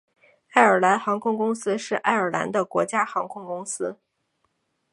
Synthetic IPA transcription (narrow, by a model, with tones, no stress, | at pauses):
a˥˩ɪə˞˨˩la˧˥nxɑ˧˥ŋkʰʊ˥ŋkʊ˥ŋsɹ̩˥ʂɻ̩˥˧ʔa̰˥˩ɪə˞˨˩la̰˧˥nd̪ə˧kwɔ̰˧˥t͡ɕja˥xɑ˧˥ŋkʰʊ˥ŋkʊ˥ŋsɹ̩˥